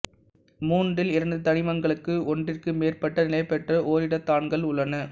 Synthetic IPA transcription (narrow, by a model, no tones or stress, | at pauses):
muːnɖɪlɪɾɐnd̪ɯt̪ɐnɪmɐŋɡɐɭɯkːɯɔndrɪrkɯmeːrpːɐʈːɐnɪlɐɪpːɛʈrɐʔoːɾɪɽɐt̪ːaːnɡɐɭʊɭːɐnɐ